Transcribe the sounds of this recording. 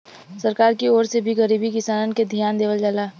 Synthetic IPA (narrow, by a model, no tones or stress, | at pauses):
səɾkaːɾkioːɾsebʱiɣəɾiːbikɪsaːnənked̪ʱijaːnd̪eːʋəld͡ʒalaː